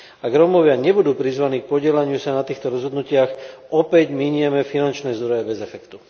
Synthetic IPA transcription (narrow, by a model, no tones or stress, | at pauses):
aɡɾɔmɔʋɪaɲɛbud̪uːpɾizʋaniːk̚pɔɟɪɛlaɲɪusanat̪iːxt̪ɔɾɔzɦɔd̪nucɪaxʔɔpɛɟmiɲɪɛmɛfinant͡ʃnɛːzd̪ɾɔjɛbɛzɛfɛkt̪u